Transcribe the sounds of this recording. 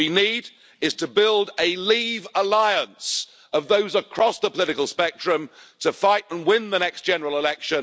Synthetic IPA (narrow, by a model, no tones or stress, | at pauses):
iniːd | ɪz̥tʰəbɪlˠdəlivəlaɪə̃ns | əvðoʊzəkʰɹ̥ɒsðəpʰəlɪɾɪkəlˠspɛk̚tɹ̥ɨ̃mtʰəfaɪtə̃nwɪ̃nðənɛksd̥ʒ̥ɛnə˞əl̩ˠɪlɛkʃə̃n